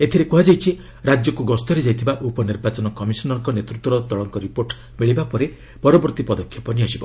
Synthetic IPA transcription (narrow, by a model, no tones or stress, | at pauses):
et̪ʰiɾekuɦad͡ʒajt͡ʃʰi | ɾad͡ʒjɔkuɡɔst̪ɔɾed͡ʒajt̪ʰibaʔupɔniɾbat͡ʃɔnɔkɔmisɔnɔŋkɔnet̪ɾut̪wɔɾɔd̪ɔɭɔŋkɔɾipoɾʈ | meɭibapɔɾe | pɔɾɔbɔɾt̪ipɔd̪ɔkʰːjɔpɔniasibɔ